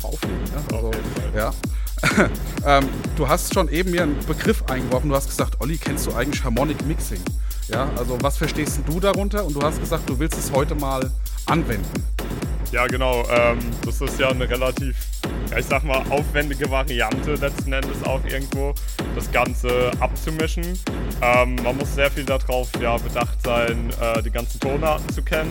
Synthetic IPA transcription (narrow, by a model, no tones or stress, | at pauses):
ʔa̰ʊflḛːɡ̩nəʔalzo | jaː | ʔ | ʔɛːmd̥uːɦastʃoːnʔeːbm̩miːɐənb̥əɡʁɪfʔa̰ɪnɡəvɔɐfn̩duːhast̚ɡ̥əz̥aːk̚tʔɔlikʰɛnstd̥uːʔa̰ɪɡŋ̩lɪçhaɐmɔnɪkmɪksɪŋ | jaːʔalzovasfɛɐʃteːstn̩duːdaʁʊntɐʊnt̚d̥uːhast̚ɡ̥əzaːk̚t̚d̥uːvɪlstɛshɔʏtəmaːl | ʔanvɛndn̩ | jaːɡənaʊʔɛːmd̥asɪstjaːnəʁelatʰiːf | jaːɪçz̥aːɡəmaːlʔaʊfv̥ɛndɪɡəvaʁiantʰəlɛt͡stn̩ʔɛndəsa̰ʊxʔɪ̰ɐɡŋ̩tv̥oː | d̥asɡ̥ant͡səʔap̚t͡sumɪʃn̩ | ʔɛːmːanmʊsz̥eːɐfiːldadʁaʊfjaːbədaχtz̥aɪnʔɛːdiːɡant͡sn̩tʰoːnaːtn̩t͡sukʰɛnən